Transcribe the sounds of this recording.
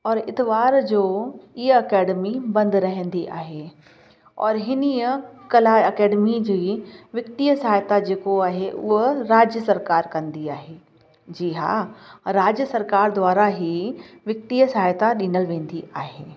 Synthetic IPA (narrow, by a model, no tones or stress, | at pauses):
ɔːɾɪt̪ɪʋaːɾd͡ʑoːiəɐkɛːɖəmibɐ̃nd̪ɾɐɦə̃nd̪iʔa̰ːɦe | ɔ̰ːɾɦɪnijəkɐlaːɐkɛːɖmid͡ʑiːʋjɐkt̪ijəsaɦːjt̪ad͡ʑeːkoaːɦeʔʊ̰ɦɾaːd͡ʑjəsɐɾkaːɾkɐ̃nd̪iaːɦeː | d͡ʑiːɦa̰ɾaːd͡ʑjəsɐɾkaːɾd̪ʋaːɾaɦiʋjɐk̚t̪ijəsaːjt̪aɗĩːnəlʋẽːnd̪iʔaːɦeː